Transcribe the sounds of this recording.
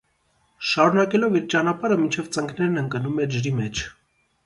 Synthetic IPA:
ʃɑɾunɑkɛlɔviɾt͡ʃɑnɑpɑɾəmint͡ʃʰɛvt͡səŋkʰnɛɾnəŋkənumɛd͡ʒəɾimɛt͡ʃʰ

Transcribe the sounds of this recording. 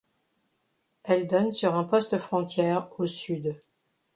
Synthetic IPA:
ɛld̪ɔnsyʁɛ̃pɔst̪əfχɔ̃t̪jɛːʁosyd̪

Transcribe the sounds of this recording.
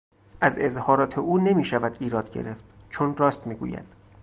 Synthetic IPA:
ʔæze̞zhɒːɾɒːt̪ʰeʔuːne̞miːʃævæd̪iːɾɒːd̪̥ɟe̞̰ɾe̞ft̪̚t͡ʃʰonrɒːst̪miːɡṵːjæ̰d̪̥

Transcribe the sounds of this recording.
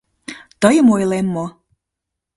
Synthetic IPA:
t̪əjəmojlemːo

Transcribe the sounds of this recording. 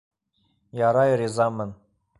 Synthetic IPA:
jɑɾɑjɾʲizɑmːɤ̆n

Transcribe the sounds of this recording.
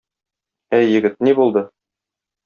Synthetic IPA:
æjːɘ̆ɡɘt̪̚nibulˠd̪ɤ

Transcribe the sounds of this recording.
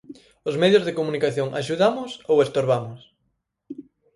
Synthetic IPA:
ʊzmɛðjozðekomunikaθjoŋa̰ʃuðamʊsowest̪oɾβamʊs

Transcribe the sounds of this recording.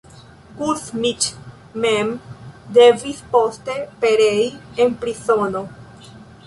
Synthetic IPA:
kusmit͡ʃ | memde̞vispo̞ste̞pe̞ɾeienpɾiso̞no̞

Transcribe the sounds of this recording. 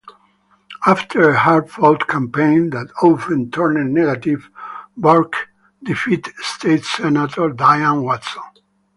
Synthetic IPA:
aft̪ʰəɹəhaɹdfɔld̪kʰãmpẽɪ̃nd̪ætʰofɛ̃nt̪ʰɜɹnɨ̃nːɛɡat̪ivbaɹk | d̪ifit̪st̪ʰeɪt̪sɛnat̪ʰɔɹd̪ajãnwatso

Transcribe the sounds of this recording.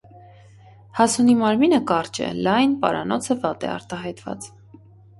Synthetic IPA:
hɑsunimɑɾminəkɑrt͡ʃɛ̰lɑjnpɑ̰ɾɑ̰nɔt͡sʰəvɑt̪ɛ̰ɑ̰ɾt̪ɑɦɑjt̪vɑ̰t͡s

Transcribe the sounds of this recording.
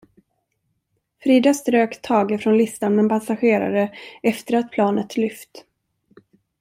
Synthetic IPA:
fɾiːd̪ast̪ɾøːkt̪ʰːɑːɡəfɾɔnlɪst̪anmɛnpʰasaɧeːɾa̰ɾəɛft̪əɾat̪̚pʰlɑːnət̪ʰlʏft̪

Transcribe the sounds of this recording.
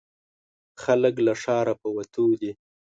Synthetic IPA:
xalək̬laʂɑɾapəwat̪ʰud̪i

